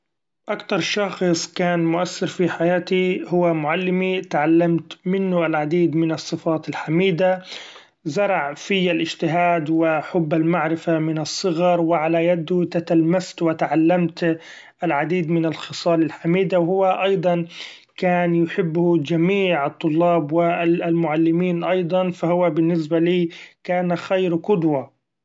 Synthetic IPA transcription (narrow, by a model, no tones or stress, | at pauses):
ʔakt̪ɑɾˤʃɑxɨsˤkaːnmʊʔasːɪɾfiħajaːt̪ihʊwːamʊʕalːɪmit̪ʕalːamt̪mɪnːʊalʕad̪iːd̪mɪnɑsˤːɨfɑːt̪ɪlħamiːd̪a | zɑɾˤɑʕfɪjalʔɪd͡ʒt̪ɪɦaːd̪wɪħʊbːalmaʕɾɪfamɪnɑsˤːɨɣɑɾˤwɪʕalajad̪ʊt̪at̪almast̪wɪt̪aʕalːamt̪ | ʔɪlʕad̪iːd̪mɪnalxɨsˤɑːlɪlħamiːd̪awhʊwːaʔɑjd̪ˤɑn | kaːnjʊħɪbːhʊd͡ʒamiːʕɨt̪ˤːʊlːɑːbwɪlmʊʕalːɪmiːnʔɑjd̪ˤɑnfahʊwːabɪnːɪsbaliːkaːnxajɾqʊd̪wa